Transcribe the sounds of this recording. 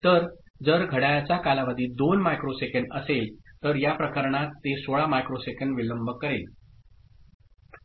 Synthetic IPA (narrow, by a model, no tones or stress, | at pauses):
t̪əɾ | d͡zəɾɡʱəɽajat͡ɕakalaʋəd̪ʱiːd̪onmajkɾosekəɳɖəselt̪əɾjapɾəkəɾɳ̃at̪ːesoɭamajkɾosekəɳɖʋiləmbʱəkːəɾel